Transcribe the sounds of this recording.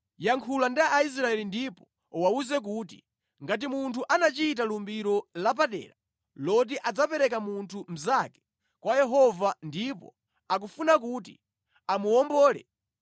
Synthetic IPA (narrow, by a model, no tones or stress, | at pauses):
jaŋkʰulandiaʔːis̬ɾaɛlindipɔ | wauzɛk̬uːt̬ḭ | ŋɡat̬imuntʰuʔanat͡ʃitalumbiɾɔlap̬aɗɛ̰ːɾa | lɔt̬iʔad͡zapɛɾɛkamuntʰum̩zakɛ̥ | kwajɛɦɔvandipɔ̰ | akufunak̬ut̬ḭ | amuɔmbɔːlɛ̰